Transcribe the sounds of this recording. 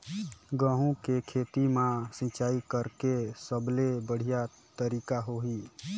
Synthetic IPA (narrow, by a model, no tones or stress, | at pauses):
ɡə̃ɦũkekʰet̪imãsĩt͡ʃaːikəɾkesəblebəɽ̤ija | t̪əɾiːkaɦoɦi